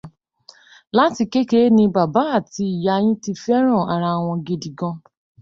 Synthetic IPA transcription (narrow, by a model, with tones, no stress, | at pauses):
la˦ti˧ke˦ke˦nĩ˧ba˨ba˨˦a˦˨ti˧i˨ja˧j̃ĩ˦ti˧fɛ˦ɾ̃ɔ̃˦˨a˨ɾa˧˨w̃ɔ̃˧ɡe˧di˨ɡɔ̃˧